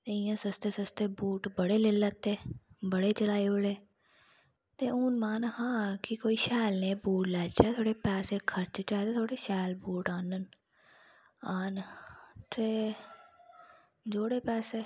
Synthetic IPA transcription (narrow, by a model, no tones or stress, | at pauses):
t̪eːɪjãːsəst̪eːsəst̪eːbuːʈbəɽeːleːlət̪ːeːbəɽeːt͡ʃəlaːiːəɽeː | t̪eːuːnmaːnhãːkɪkoːiːʃɛːlneːbuːʈlɛːt͡ʃɛːt̪ʰoːɽeːpɛːseːkʰəɾt͡ʃt͡ʃaːt̪eːt̪ʰoːɽeːʃɛːlbuːʈaːnən | aːnt̪eː | d͡ʒoːɽeːpɛːseː